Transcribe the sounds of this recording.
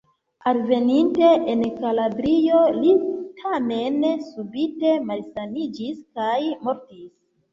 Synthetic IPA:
alve̞ninte̞ʔenkaladɾijo̞litʰame̞nsubite̞malsanid͡ʒiskajmo̞ɾtis

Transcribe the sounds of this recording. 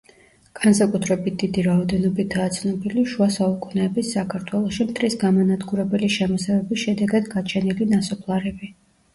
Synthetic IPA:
ɡ̥ansakʼut̪ʰɾɛbit̪̚ʰd̪̥id̪iɾaɔd̪ɛnɔbit̪ʰaːt̪sʰnɔbiliʃuasaukʼunɛːbisːakʰaɾt̪ʰwɛlˠɔʃimt̪ʰɾisɡamɔnad̪ɡuɾɛbɛliʃɛmɔsɛvɛbisʃɛd̪ɛɡad̪ɡat͡ʃʰɛnilinasɔpʰlˠaɾɛbi

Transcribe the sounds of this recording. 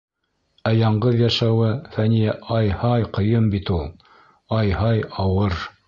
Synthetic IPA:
æjɑɴɢɤðjɑʃɑwɤfænijæʔɑjhɑjqɤ̆jɤmbit̪ulˠ | ɑjhɑjɑwɤɾ

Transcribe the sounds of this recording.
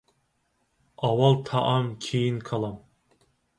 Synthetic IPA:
ɑwɑlˠt̪ʰɑʔɑmkʲʰejinkʰɑlˠɑm

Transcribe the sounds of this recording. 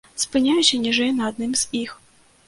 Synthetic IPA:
spɨnʲajʊt͡ɕʲɐnʲiʐɛjnɐːd̪nɨmz̥ʲix

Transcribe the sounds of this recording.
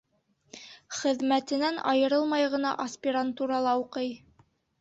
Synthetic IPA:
χɘ̆ðmæt̪ɘ̆nænɑjɤ̆ɾɤlˠmɑjʁɤ̆nɑ̰ʔɐsʲpʲiɾant̪uɾɑlˠɑuqɤj

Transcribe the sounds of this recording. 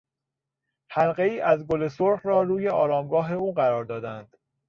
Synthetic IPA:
hælɢe̞iːʔæzɡo̞le̞soɾχɾɒːɾuːjeɒːɾɒːmɡɒːɦe̞uːɢæɾɒːɾd̪ɒːd̪ænd̪̥

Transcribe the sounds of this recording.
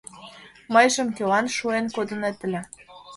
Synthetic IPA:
məjʒə̆mkelɑnʃuenkod̪ə̆net̪ə̆lʲĕ

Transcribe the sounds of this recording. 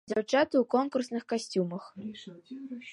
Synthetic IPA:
d͡zʲawt͡ʂat̪ɨwkɔnkursnɨxkasʲt͡sʲumɐx

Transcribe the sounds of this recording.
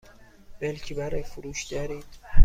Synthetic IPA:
b̥elcʰibæɾejfuɾuːʃɟæɾiːd̪̥

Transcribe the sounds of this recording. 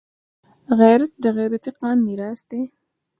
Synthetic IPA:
ɣajɾat̪̚d̪əɣajɾat̪iqɑːmːiɾɑːsd̪e

